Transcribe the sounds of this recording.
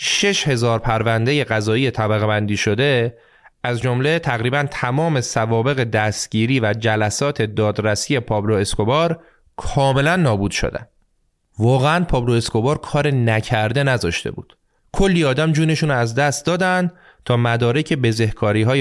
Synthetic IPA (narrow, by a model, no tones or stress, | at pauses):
ʃe̞ʃhe̞zɒːɾpʰæɾvænd̪e̞je̞ɣæzɒːije̞t̪ʰæbæɣebænd̪iːʃo̞d̪e̞ | æzd͡ʒomle̞t̪ʰæɣɾiːbænt̪ʰæmɒːme̞sævɒːbe̞ɣe̞d̪æst̪ɟ̥iːɾiːvæd͡ʒælæsɒːt̪ʰe̞d̪ɒːd̪ɾæsiːje̞pʰɒːbloe̞sko̞bɒːɾ | kʰɒːme̞lænːɒːbuːd̪̥ʃo̰d̪æ̰n | vɒːɣeænpʰɒːbloe̞sko̞bɒːɾkʰɒːɾenæcʰæɾd̪e̞næzɒːʃt̪ḛbṵːd̪̥ | kʰo̞lːiːɒːd̪æmd͡ʒuːne̞ʃuːnɾoæzd̪æst̪d̪ɒːd̪ænd̪ | t̪ʰɒːmæd̪ɒːɾe̞cʰe̞be̞ze̞hkʰɒːɾiːɦɒːj